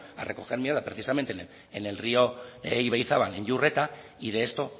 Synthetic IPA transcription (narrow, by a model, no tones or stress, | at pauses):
a̰rʔeko̞ɣeɾmieɾðapɾe̞θisame̞nt̪e | enelrio̞iβajθaβanenʎure̞t̪a | iðe̞ːst̪o̞